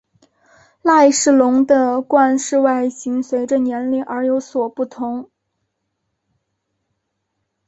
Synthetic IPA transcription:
la˥˧ɪʂɻ̩˥˩lʊ˧˥ŋd̪ə˧kwa˥˧nʂɻ̩˥˧wa˥˩ɪɕi˧˥ŋswe˧˥ɪʈ͡ʂə˧njɛ˧˥nli˥˩ʔə˞˧˥jo˧˥ʊswɔ˨˩pu˥˩t̪ʰʊ˧˥ŋ

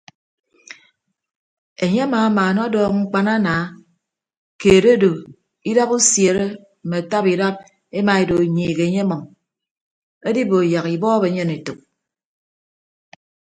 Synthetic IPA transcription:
e˨ɲe˦a˦maː˨˦maː˨nɔ˦dɔː˦kŋ͡m̩˦k͡pa˦na˦naː˨˦ | keː˨ɾe˦do˨ | i˦da˦bu˦sje˨ɾe˦ | m̩˨me˨a˨ta˦pi˨da˦p̚ | e˦ma˨e˨do˨ɲiː˨ɣe˨e˨˦ɲe˦mɔ˨ŋ | e˦di˦bo˨ja˨ki˨bɔː˦be˨˦ɲe˦ne˨to˨k̚

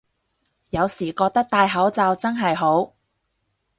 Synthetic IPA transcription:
jɐ˨˧wsiː˨˩kɔː˧k̚t̪ɐ˥k̚t̪aː˧jɦɐ˨˥wt͡saː˨˧wt͡sɐ˥nɦɐ˨jɦo˨˥w

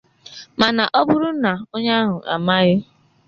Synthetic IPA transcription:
ma˨na˨ʔɔ˦bʊ˦ɾʊ˦na˨o˦ɲa˦a˦ɦʊ˨ʔa̰˨ma˦ɣɪ˦

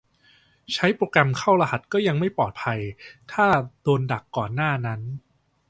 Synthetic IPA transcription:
t͡ɕʰa˦˥jpɾoː˧kɾa˧mkʰa˥˩wɾa˧ha˨˩t̪̚kɔː˥˩ja˧ŋma˥˩jpɔː˨˩t̪̚pʰa˧jt̪ʰaː˥˩doː˧nda˨˩kːɔː˨˩nːaː˥˩na˦˥n

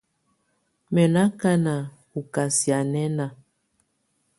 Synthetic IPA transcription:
mɛ˨na˦ka˦na˨ | ku˨ka˨si˨a˨nɛ˦na˨

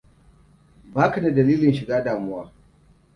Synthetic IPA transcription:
baː˦ka˨da˨dɐ˨liː˦lɪ˨nʃɪ˨ɡaː˦daː˨mʊ˦waː˦

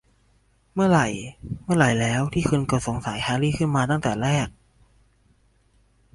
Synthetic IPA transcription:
mɯ˥˩ɐɾa˨˩jmɯ˥˩ɐɾa˨˩jlɛː˦˥wt̪ʰiː˥˩kʰɯ˧nkɔ˨˧˩so˨˩˦ŋsa˨˩˦jhʰaː˧liː˥˩kʰɯ˥˩nmaː˧t̪a˥˩ŋt̪ɛ̰ː˨˩ɾɛː˥˩k̚

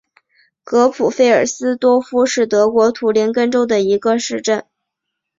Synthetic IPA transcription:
kɤ˧˥pʰu˨˩fe˥˩ɪə˞˨˩sɹ̩˥t̪wɔ˥fu˥ʂɻ̩˥˩t̪ɤ˧˥kwɔ˧˥t̪ʰu˧˥ljɛ˧˥nkə˥nʈ͡ʂo˥ʊd̪ə˨i˧˥ɡə˧ʂɻ̩˥˧ʈ͡ʂə˥˩n

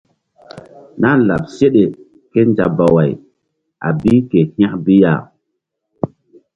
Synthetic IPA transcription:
na˦la̰˨p̚se˦ɗe˨ | ke˦nd͡ʒa̰˨ba˨wa˨j | a̰˨bi˦ke˨hj̃a˦kbi˦ja̰˨

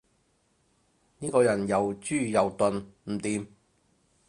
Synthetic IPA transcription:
niː˥kɔː˧jɐ˨˩njɐ˨˩wt͡ʃyː˥˩jɐ˨˩wt̪ɵ˨˧nm̩˨˩t̪iː˨˧m

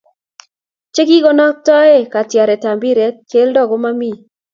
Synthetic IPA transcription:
t͡ʃe˦ki˦ɡɔ˦nɔ˦k̚tɔ˦e˦˨ka˨tja˨ɾɛ˨ta˨mbi˦ɾe˨˦t̚ke˦ldɔ˦ɡo˦ma˦mi˦˨

